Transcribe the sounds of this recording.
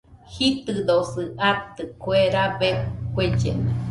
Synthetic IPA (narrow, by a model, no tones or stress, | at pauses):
hit̪ɨd̪osɨʔat̪ɨkweɾaβekwed͡ʒḛna